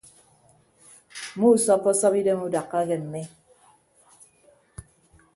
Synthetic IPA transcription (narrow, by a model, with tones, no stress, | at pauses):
mu˦˨sɔ˦pːɔ˦sɔ˦pi˦de˦mu˦da˨kːa˦ɣɛ˨m̩˨me˦